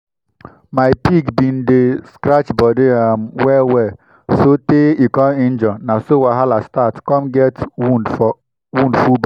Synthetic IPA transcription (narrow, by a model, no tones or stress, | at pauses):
maɪpiɡbindeskɾat͡ʃbɔdeamwɛwɛ | soteikɔɪnd͡ʒɔnasowaɦalastatkɔmɡɛtwund | wundfub